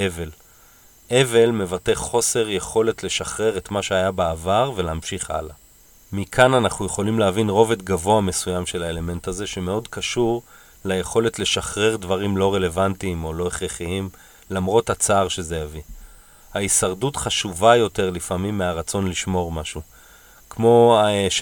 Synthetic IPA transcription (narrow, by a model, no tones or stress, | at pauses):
eve̞l | ʔe̞ve̞lme̞vate̞χo̞se̞ʁje̞χo̞le̞tle̞ʃaχʁe̞ʁe̞tmaʃeajabeavaʁveleamʃiχa̰la | mikʰananaχnuje̞χo̞limleavinʁo̞vetɡavo̞ame̞sujamʃe̞laele̞me̞nthaze̞ʃe̞me̞o̞dkaʃuʁ | lajeχo̞le̞tle̞ʃaχʁe̞ʁdvaʁimlo̞ʁe̞le̞vantimo̞lo̞eχʁeχiim | lamʁo̞tat͡saːʁʃe̞ze̞javi | haisaʁdutχaʃuvajo̞te̞ʁlifamimːeaʁat͡so̞nliʃmo̞ʁmaʃu | kmo̞aʃ